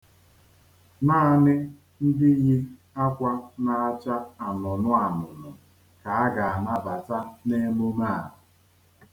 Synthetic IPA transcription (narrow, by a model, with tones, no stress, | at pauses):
naː˦nɪ˦ | n̩˦dɪ˦ɣɪ˦ | a˦kʷa˦na˨a˦t͡ʃa˦a˨nʊ˨nʊ˦a˨nʊ˨nʊ˨ | ka˨a˦ɡa˨a˨na˦ba˨ta˦ne˦mo˦ma˦˨